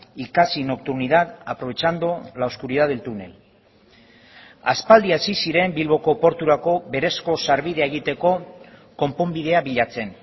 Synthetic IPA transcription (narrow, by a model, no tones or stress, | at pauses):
ikasino̞k̚t̪uɾniðat̪apɾo̞βe̞t͡ʃand̪ulawskuɾið̞aðelt̪unḛl | aspald̪iaesisiɾe̞mbilβo̞ko̞po̞ɾt̪uɾako̞βe̞ɾe̞sko̞saɾβiðe̞aeɣ̞it̪e̞ko̞ko̞mpo̞mbiðe̞aβiʎat͡se̞n